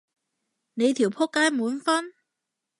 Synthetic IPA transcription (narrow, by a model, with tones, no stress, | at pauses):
ne˨˧jt̪ʰi˨˩wpʰɔ˥kːaː˥jmuː˨˧nfɐ˥n